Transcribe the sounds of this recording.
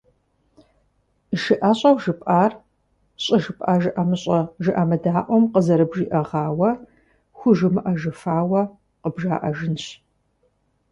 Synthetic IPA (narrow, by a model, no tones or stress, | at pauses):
ʒɨʔɐɕʼɐwʒɨpʼʔaːr | ɕʼɪʒɨpʼʔaːʒɨʔɐmɨɕʼɐʒɨʔɐmɨdaːʔʷɔmqəzɐɾɨbʒiːʔɐʁɑːwɐ | xʷʊʒɨmɨʔɐʒɨfaːwɐ | qəbʒaːʔɐʒɨnɕ